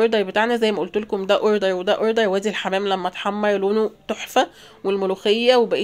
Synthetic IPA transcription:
oɾd̪ɑɾˤbet̪aʕnæzæjːmæʔolt̪olkomd̪æʔoɾd̪ɑɾˤwed̪æʔoɾd̪ɑɾˤwæːd̪ielħamæːmlæmːæt̪ħɑmːɑɾˤloːnot̪oħfæ | welmoluːxejːæwebæʔiː

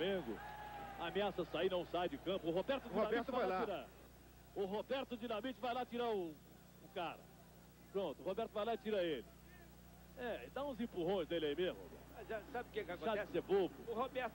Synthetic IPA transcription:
mẽɡʊ̰ɐameasɐsainɐ̃w̃sajd͡ʒɪkɐ̃pʊʊhobɛɾt̪ʊd̪ioambiɾt͡ʃ̪valajalaiɾa | ʊɦobɛɾt̪ʊd͡ʒinamit͡ʃɪvajlat͡ʃiɾaʊ | ʊkaɾɐ̰ | pɾõt̪ʊhobɛɾt̪ʊvajlaɪt͡ʃiɾaelɪ | ɛed̪aũzẽpuɦõj̃znelɪaimezmʊ̰o̰bɛ̰ɾt̪aʒasabɪʊkẽkakʃaɛsebobʊʊhobɛɾt̪

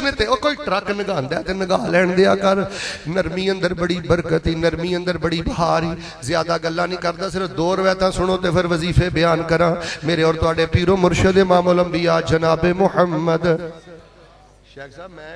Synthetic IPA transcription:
neːt̪eːoːkoːiːʈɾəknəɡaːnd̪aːt̪eːnəɡaːlɛːɳd̪eːaːkəɾnəɾmiːə̃nd̪əɾbəɽiːbəɾkət̪iːnəɾmiːə̃nd̪əɾbəɽiːbəɦaːɾiː | zjaːd̪aːɡəlːãːnĩːkəɾd̪aːsɪɾəfʰd̪oːɾəʋɛːt̪ãːsʊɽ̃oːt̪eːpʰɪɾʋəziːpʰeːbɪjaːnkəɾãːmeːɾeːɔːɾt̪ʊaːɖeːpiːɾoːmʊɾʃəd̪eːmaːmoːləmbiːaːd͡ʒənaːbeːmʊhəmːəd̪

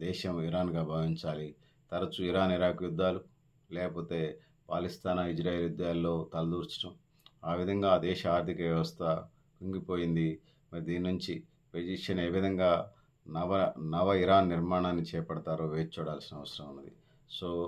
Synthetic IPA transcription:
d̪ɛːʃɐmiɾaːnɡaːbʱaːʋiɲt͡ʃaːli | t̪ɐɾɐt͡ʃuiɾaːniɾaːkjud̪ːaːlu | lɛːkɐpo̞ːt̪e̞ː | paːlist̪ʰaːnaid͡ʒɾaːjeːlid̪ɐjaːlːo̞ːt̪ɐlɐd̪uːɾt͡ʃʈɐm | aːʋid̪ʱɐŋɡaːd̪ɛːʃɐaːɾt̪ʰikɐʋjɐʋɐst̪ʰɐ | kuŋɡipo̞ːjind̪i | mɐɾid̪iːninuɲt͡ʃi | ped͡ʒiʂɐneːʋid̪ʱɐŋɡaː | nɐʋɐnɐʋɐiɾaːnːiɾmaːɳaːnːit͡ʃɛːpɐɽɐt̪aːɾoːʋeːt͡ʃːuːɽaːlsinɐɐʋɐsɐɾɐmunːɐd̪ḭ | so̞ː

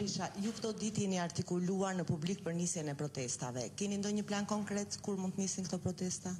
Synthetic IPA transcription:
iʃajukt̪ɔd̪it̪jɛniaɾt̪ikuluaɾnəpublik̚pəɾnisjɛnɛpɾɔt̪ɛst̪a̰vɛ̰kɛnind̪ɔɲəplankɔŋkɾɛt̪kuɾmunt̪nisinkt̪ɔpɾɔt̪ɛst̪a

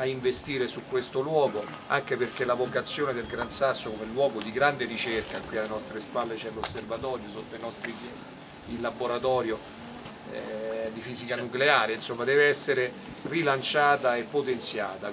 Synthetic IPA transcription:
aiɱvest̪iːɾesukːwest̪olwɔːɡo | a̰ŋkeperkelavokat̪sːjoːned̪elɡɾansasːokomelːwɔːɡod̪iɡɾand̪eɾit͡ʃerkakːwialːenɔst̪ɾespalːet͡ʃɛlosːervat̪ɔːɾjosot̪ːoinɔst̪ɾi | ilːaboɾat̪ɔːɾjo | ɛd̪ifiːzikanukleaːɾeinsomːad̪ɛːveɛsːeɾe | rilant͡ʃaːt̪aepːot̪ent̪sjaːt̪a

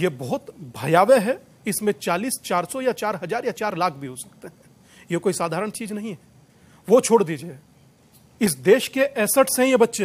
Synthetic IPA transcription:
jebɔːɦt̪bʱɐjaːʋeɦɛ | ɪsmẽt͡ʃaːliːst͡ʃaːɾsɔjat͡ʃaːɾɦɐzaːɾjat͡ʃaːɾlaːkʰbʱiɦosɐ̥kt̪eɦɛ̃ː | jekoːisaːd̪ʱaːɾəɽ̃t͡ʃiːznɐɦĩɦɛː | ʋot͡ʃʰoːɽd̪iːd͡ʒie | ɪs̬d̪eːʃkeʔɛːsəʈsɦɛ̃jebɐtːʃe

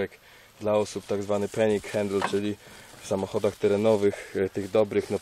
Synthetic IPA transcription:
ɛk | d̪laɔsupt̪aɡzvanɘpɛɲikxɛnd̪lt͡ʂɘlʲifsamɔxɔd̪axt̪ɛɾɛnɔvɘxt̪ɘɣd̪ɔbɾɘxnɔ

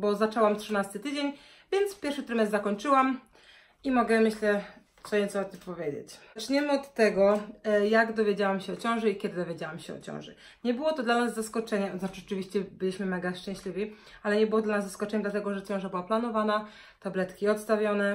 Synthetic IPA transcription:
bɔzat͡ʂɛwamtʂɨnast̪ɘt̪ɘd͡ʑeɲ | vʲjɛnt̪spʲjɛɾfʂɘt̪ɾɛmɛzzakɔɲt͡ʂɘwam | imɔɡɛmɘɕlɛ | t̪sɔɲɛt̪sɔɔt̪ːɘmpɔvʲjed͡ʑḛt͡ɕt͡ʂɲɛmɘɔt̪ːɛɡɔjaɡd̪ɔvʲjed͡ʑawamɕɛɔt͡ɕɔ̃w̃ʐɛikʲɛd̪ɘd̪ɔvʲjed͡ʑawamɕɛɔ̰t͡ɕɔ̰̃w̃ʐɛ̰ | ɲɛbɘwɔt̪ɔd̪lanazːaskɔt͡ʂɛɲɛznat͡ʂɨʐɛt͡ʂɨvʲiɕt͡ɕɛbɘlʲiɕmɘmɛɡaʂt͡ʂɛ̃ɕʲlʲivʲi | alɛɲɛbɘwɔd̪lanazzaskɔt͡ʂɛɲɛd̪lat̪̬ɛɡɔʐɛt͡ɕɔ̃w̃ʐabɘwaplanɔvana | t̪ablɛt̪kʲiɔt̪st̪avʲjɔnɛ

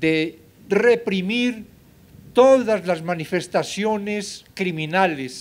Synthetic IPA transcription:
d̪̥e | repɾimiɾ | t̪oðazlazmanife̞st̪asjoneskɾimĩnales

